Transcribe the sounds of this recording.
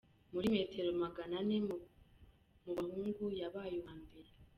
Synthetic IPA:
muɾime̞ːte̞ɾo̞maɡanane | muβahuːŋɡujaβaːjowaːmbe̞ɾe

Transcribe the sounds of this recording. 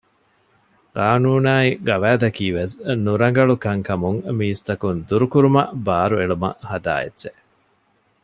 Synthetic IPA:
kaːnuːnaːiɡɐʋæːd̪ɐkiːʋesnuɾɐŋ̆ɡɐɭukɐŋkɐmuŋmiːst̪ɐkund̪uɾukuɾumɐbaːɾueɭumɐ̰hɐd̪a̰ːḛdːt͡ʃe

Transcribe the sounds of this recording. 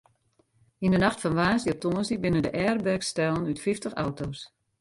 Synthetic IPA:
indənaχtfɔnʋaːsdiɔp̚tʰoːnsibɪnəndəʔɛːrbɛrkstɛlˠənytfɪftəxa̰wtoːs

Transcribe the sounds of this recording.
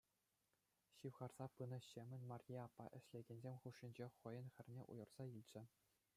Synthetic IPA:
ɕiʋʁɑrz̥ɑpɯnɤ̆ɕemʲɘ̆nʲmɑrʲiɑpːɑ̰ʔɘ̆ɕlʲeɡʲenʲzʲemʲχuʂːinʲd͡ʑeχɤ̆jɤ̆nxʲɘ̆rʲnʲeʔṵjɤ̆rz̥ɑilʲd͡ʑɘ̆

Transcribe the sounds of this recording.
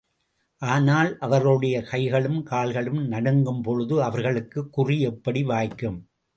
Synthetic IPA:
ʔaːnaːlʔɐʋɐɾɣɽɐjɐkɐɪɣɐɭɯmkaːɭɣɐɭɯmnɐɽɐŋɡɯmpɔɻɯðɯɐʋɐɾɣɐɭɯkːɯkːʊriɛpːɐɽiʋaːjkːɯm

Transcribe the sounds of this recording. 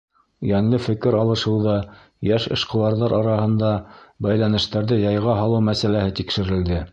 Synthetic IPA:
jæŋlɘfɘ̆kɘɾɑlˠɤ̆ʃɤ̆wðɑ | jæʃɤ̆ʃqɤ̆wɑɾðɑɾʔɑɾɑhɤ̆nd̪ɑbæjlænɘ̆ʃt̪æɾðɘjɑjʁɑɦɑlˠɤwmæsælæhɘt̪ikʃɘ̆ɾɘ̆ld̪ɘ

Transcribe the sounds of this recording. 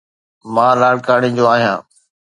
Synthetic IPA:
mãːlaːɽkaːɽĩːd͡ʑoːaːɦijãː

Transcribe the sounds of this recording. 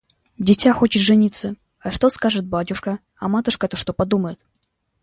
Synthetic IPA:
dʲɪtʲaxo̞t͡ɕɪt̪ʐɨnʲit̪sə | ɐʂt̪o̞skaʐɨt̪̚batʲʊʂkə | ɐmat̪ʊʂkət̪oʂt̪opɐd̪uməjɪt̪

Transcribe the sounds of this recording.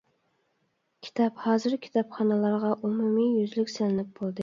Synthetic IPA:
kʲʰi̥t̪ʰɑphɑːzɨɾkʲʰi̥t̪ʰɑpχɑnɨlˠɑɾʁɑʔumumijyzlykʲsɪlɪnɪp̚bolˠd̪ɨ

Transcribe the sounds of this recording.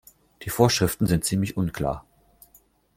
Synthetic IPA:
d̥iːfoːɐʃʁ̥ɪftn̩zɪntt͡siːmlɪçʔʊnkʰl̥a̰ːɐ

